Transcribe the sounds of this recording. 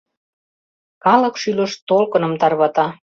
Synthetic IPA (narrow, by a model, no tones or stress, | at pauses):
kɑlɤ̆kʃylə̆ʃt̪olkɤ̆nɤ̆mt̪ɑrβɑt̪ɑ